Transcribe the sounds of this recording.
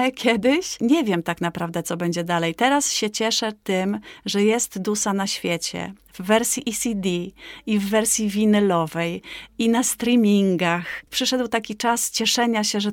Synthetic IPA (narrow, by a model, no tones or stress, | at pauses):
kʲɛd̪ɘɕɲɛvʲjɛmt̪aknapɾavd̪ɛt̪sɔbɛɲd͡ʑɛd̪alɛjt̪ɛɾasɕɛt͡ɕɛʂɛt̪ɘmʐɛjɛst̪d̪usanaɕfʲjɛt͡ɕɛ̰ | vːɛɾsʲjiʔisʲid̪ʲiivːɛɾsʲjivʲinɛlɔvɛjinast̪ɾʲimʲiŋɡaxpʂɘʂɛd̪wt̪akʲit͡ʂast͡ɕɛʂɛɲaɕɛʐɛ